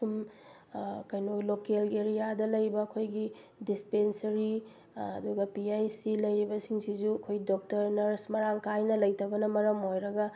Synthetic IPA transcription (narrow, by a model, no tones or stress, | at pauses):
sum | kɐjnolokelɡeɾijadɐlɐjbɐːkʰojɡi | dispensɐɾi | ɐ̰duɡɐpiajsilɐjɾibɐsiŋsizuɐkʰojdok̚tɐɾnɐɾsmɐɾaŋkajnɐlɐjtɐbɐnɐmɐɾɐmɦojɾɐɡɐ